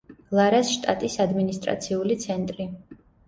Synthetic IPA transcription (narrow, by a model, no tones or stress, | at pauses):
lˠaɾasʃt̪ʼat̪ʼisad̪minist̪ʼɾa̰t̪sʰiulit̪sʰɛnt̪ʼɾi